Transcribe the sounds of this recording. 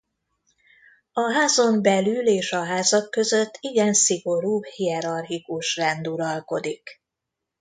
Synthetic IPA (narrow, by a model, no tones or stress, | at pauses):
ɒɦaːzo̞mbɛlyleːʃɒɦaːzɒkːøzø̞t̪ːiɡɛnsiɡo̞ɾuːhijɛɾɒrɦikuʃrɛnd̪uɾɒlko̞d̪ik